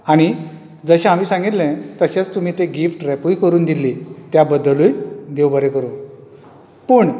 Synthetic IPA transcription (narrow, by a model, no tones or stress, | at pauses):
aɽ̃i | d͡zəɕẽam̤iːsãŋɡit̪lɛ̃t̪əɕẽt͡st̪um̤iːt̪eɡifʈɾɛpujkəɾuːnd̪ilːet̪jabəd̪əlujd̪ewbəɾẽkəɾu | pəːɳ